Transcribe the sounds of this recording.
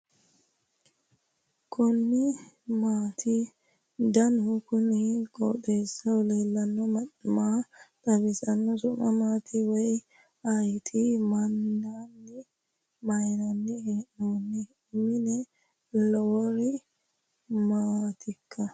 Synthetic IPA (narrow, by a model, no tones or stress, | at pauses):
kʰɔnːɪ | maːt̪ʰɪ | d̪ɐnʊkʊnɪkʼɔt̪eːsːɐɔleːlːɐnːɔmat̪ʼɐbɪsɐnːɔsʊnɐ̰maːt̪ʰɪwɛj | ɐjt̪ʰɪmɐndanːɛ | mɐjnɐnːɛhɛʔuːnːɛ | mɪnɛ | lɔwɔɾɪ | maːt̪ʰɪkʰːɐ